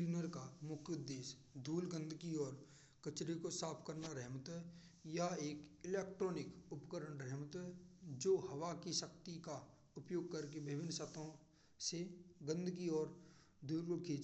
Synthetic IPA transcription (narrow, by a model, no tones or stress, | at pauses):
uːnəɾkamʊkʰjʊd̪ːeːs | d̪ʱuːlɡə̃nd̪ʱkiɔːɾ | kət͡ʃɾikosaːpʰkəɾnaɾɛɦmt̪ | jaeːkɪleːkʈɾoːnɪkʊpkəɾəɳɾɛɦmt̪d͡ʒoːɦɐwakiʃəkt̪ika | ʊpjoːɡ̚kɐɾkebɪbɪnːsət̪õ | seɡə̃nd̪ʱkiɔːɾ | d̪ʱuːlkʊkʰiːd͡ʒ